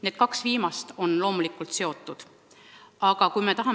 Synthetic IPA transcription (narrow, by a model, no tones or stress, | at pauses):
ne̞ːd̪̥̚kɑksviːmɑst̪o̞nlo̞ːmulikːˑult̪se̞o̞t̪ːˑud̪̥ | ɑɡ̥ɑkujmet̪ɑɦɑ